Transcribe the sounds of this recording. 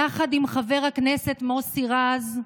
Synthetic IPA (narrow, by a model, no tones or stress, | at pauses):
aχad̪imχave̞ʁhakneset̪mosiʁaz